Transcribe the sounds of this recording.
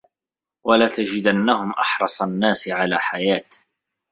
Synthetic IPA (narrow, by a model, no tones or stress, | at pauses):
walaːt̪ad͡ʒɪd̪anːahʊmʔɑ̰ħɾˤɑsˤanːaːsʕalaːħajaːt̪